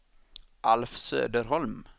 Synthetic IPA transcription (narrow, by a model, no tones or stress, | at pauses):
ʔɑlfsø̰ːd̪əɾhɔlm